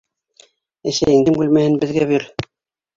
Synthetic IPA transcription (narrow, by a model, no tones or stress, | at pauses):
æsæjɘ̆ŋd̪ɘŋbʉlmæhɘnbɘ̆ðɡæβiɾ